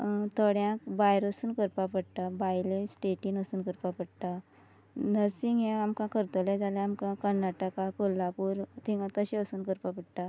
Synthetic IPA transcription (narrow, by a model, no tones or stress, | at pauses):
t̪ʰəɽjãkbajɾəsuːnkəɾpapəɽʈ̪abajlẽsʈeʈinəsuːnkəɾpapəɽʈa | nəsiŋɡẽamkãkəɾt̪əled͡zalẽamkãkəɾnaʈəkakolːapuːɾt̪ʰĩŋɡat̪əɕẽəsuːnkəɾpapəɽʈ̪a